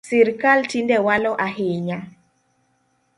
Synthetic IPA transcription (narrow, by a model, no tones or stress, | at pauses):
sɪɾkaltindɛwalɔʔaɦɪɲa